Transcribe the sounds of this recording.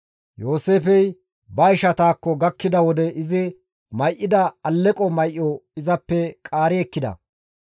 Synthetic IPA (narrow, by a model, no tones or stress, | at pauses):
joːseːfɛj | bɐɪʃɐt̪aːkːɔɡɐkːɪd̪ɐwɔd̪ɛɪzɪ | mɐjʔːɪd̪ɐɐlːɛkʼɔmɐjʔːɔɪzɐpːɛkʼaːɾɛɛkːɪd̪ɐ̰